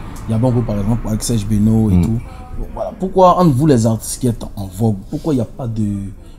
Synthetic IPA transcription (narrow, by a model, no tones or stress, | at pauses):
ijabɔ̃vopaɛɡz̃plpaɛksɛʃbenoet̪u | vwalapukwaãnvulɛzaʁt̪i̥skɛt̪ãvɔɡpukwaijapad̪ø